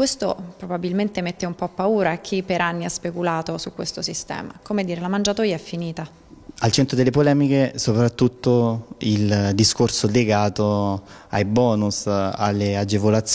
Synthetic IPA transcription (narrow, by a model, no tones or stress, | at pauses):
kwest̪opɾobabilment̪emet̪ːeumpɔpːauːɾaak̟ʰːipːeɾʔanːiaspekulaːt̪osukwest̪osist̪ɛ̰ːma̰komed̪iːɾelamand͡ʒat̪oːjaɛfːiniːt̪a | alt͡ʃɛnt̪ɾod̪elːepolɛːmikesopɾat̪ːut̪ːoild̪iskorsoleɡaːt̪o | ajbɔːnusa̰lːead͡ʒevolat̪sː